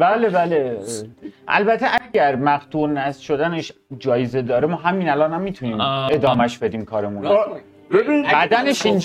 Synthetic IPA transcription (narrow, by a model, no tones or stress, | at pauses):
bæːlebæle | ʔæ̰lbæt̪ʰːeʔæɡæɾmæɣt̪ʰuːɾnæsʃo̞d̪æneʃ | d͡ʒɒːjeze̞d̪ɒːɾemɒːɦæmːiːnælɒːnhæmːiːt̪ʰuniːme̞d̪ɒːmæʃbe̞d̪iːmkʰɒːɾe̞mun | bebibæd̪æneʃind͡ʒ